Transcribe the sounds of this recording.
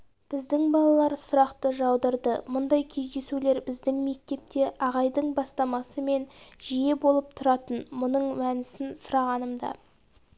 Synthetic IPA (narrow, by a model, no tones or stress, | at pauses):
b̥ɪzd̪ɪŋbɑlˠɑlˠɑɾsʊɾɑqt̪əʒɑwd̪əɾd̪əmʊnd̪ɑjkʲʰe̞zd̪e̞sule̞ɾbɪzd̪ɪŋme̞k̚t̪e̞p̚t̪e̞ʔɑʁɑjd̪əɴbɑst̪ɑmɑsəme̞nʒije̞bo̞lˠəp̚t̪ʰʊɾɑt̪ənmʊnəɴwænɪsɪnsʊɾɑʁɑnəmd̪ɑ̰